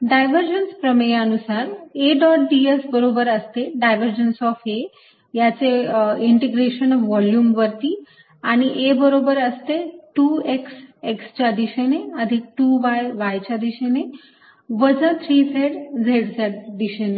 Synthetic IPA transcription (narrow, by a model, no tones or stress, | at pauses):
ɖajʋəɾd͡ʑənspɾəmeənusaɾeɖɔʈ̚ɖiesbəɾobəɾəst̪eɖajʋəɾd͡ʑənsɔfe | jat͡seiɳʈeɡɾeɕənɔʋʋɔljuːmʋəɾt̪iː | aɽ̃iʔebəɾobəɾəst̪eʈuːeksekst͡ɕad̪iɕeneəd̪ʱik̚ʈuʋajʋajt͡ɕad̪iɕene | ʋəd͡zat̪ʰɾiːseɽd͡zʱeɽd͡zeɖ̚d̪iɕene